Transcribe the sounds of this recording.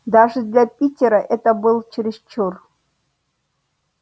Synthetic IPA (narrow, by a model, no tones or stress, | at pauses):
d̪aʐɨd̪lʲapʲitʲɪɾəʔɛt̪əbɨlˠt͡ɕɪɾʲɪst͡ɕor